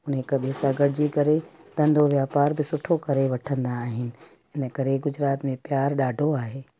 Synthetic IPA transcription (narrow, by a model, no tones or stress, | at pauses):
ʊnɦekɐɓesaːɡəɽd͡ʑiːkɐɾed̪̥ɐ̃nd̪ʱoʋjaːpaːɾbɪsʊʈʰokɐɾeʋɐʈʰə̃nd̪aːɦɪnɪ̆ | ɪnə̆kɐɾeɡʊd͡ʑɾaːt̪mẽpjaːɾɗaːɖʱoaːɦeː